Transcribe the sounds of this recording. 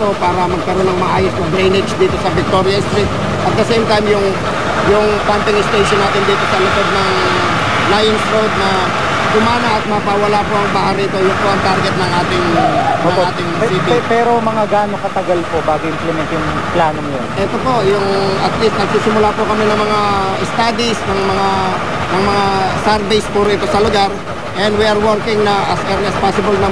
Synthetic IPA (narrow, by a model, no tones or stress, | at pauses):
t̪o̞paːɾɐmɐɡ̚kɐɾonɐŋmɐʔaːjosnɐd̪ɾejnɪd͡ʒd͡ʒd̪iːt̪o̞sɐvɪk̚t̪o̞ɾjɐst̪ɾit̪̚ | ʔɐt̪̚kɐsɛjmt̪ajmjʊŋ | jʊŋpamp̪ɪŋɪst̪ejʃonːaːt̪ɪnd̪iːt̪o̞sɐlɪpod̪̚nɐŋ | lajɪnsɾod̪̚nɐ | d̪ʊmaːnɐʔɐt̪̚mɐpawɐlapoʔɐŋbaːhaɾiːt̪o̞jʊŋpoʔɐŋt̪aɾɡɛt̪̚nɐŋʔaːt̪ɪŋnɐŋaːt̪ɪŋsipipɛːɾomɐŋaɡaːnokɐt̪ɐɡalpobaːɡoɪmplɛmɛnt̪jʊŋ | plaːnoŋjonʔɛt̪o̞po̞ʔjʊŋɐt̪list̪nɐɡ̚siːsɪmʊlapʊkɐmɪnɐŋmɐŋaʔɛst̪aːd̪isnɐŋmɐŋa | nɐŋmɐŋasɛɾbɛjspuːɾɐʔɪt̪o̞sɐlʊɡaɾ | ʔɛnd̪wiʔɐɾwoɾkɪŋnɐʔɐsɛɾɐspaːsɪbɐlnɐ